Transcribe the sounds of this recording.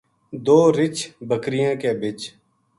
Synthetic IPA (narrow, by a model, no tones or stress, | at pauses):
d̪oːɾɪt͡ʃʰbəkɾɪjãːkeːbɪt͡ʃ